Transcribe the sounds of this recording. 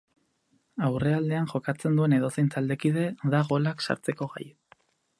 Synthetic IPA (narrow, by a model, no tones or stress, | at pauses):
awre̞ald̪e̞aŋʝo̞kat͡se̞nd̪ue̞ne̞ð̞o̞sent͡sald̪e̞kið̞e̞ðaɣo̞laksa̰ɾt͡se̞ko̞ɣa̰j